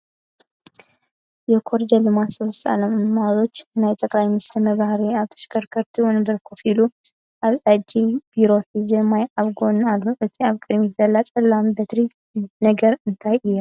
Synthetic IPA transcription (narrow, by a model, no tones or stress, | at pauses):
jɛkʰoɾd͡ʒ̪ɐlɨmasost̪ʰʼa̰ləmɨmazo̞t͡ʃːnajt̪ʼɐkʼlajmɨsɐmɐβahɾiaβt̪ʰɐ̥ʃkʰɐɾkʰəɾt̪ʰiwunbɨɾkʰofilu | ʔaβad͡ʒib̥iɾo̞ħizemajʔaβɡonalːoʕɨt̪ʰiaβkʼɨd̪mizɐlːat͡sʼɐlːambɐt̪ʰɾi | nɐɡɐɾɨnt̪ʰajɨjːa